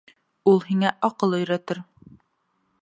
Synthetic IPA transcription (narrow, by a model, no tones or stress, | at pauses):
ulˠhiŋæʔɒqɤlˠɵ̆jɾæt̪ɘɾ